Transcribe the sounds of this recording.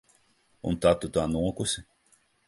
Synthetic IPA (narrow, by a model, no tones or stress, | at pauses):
ṵnt̪at̪ut̪aːnuɔkusʲɪ